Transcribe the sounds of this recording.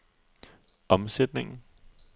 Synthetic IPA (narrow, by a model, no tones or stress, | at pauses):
ɒ̽msed̥ne̝ŋn̩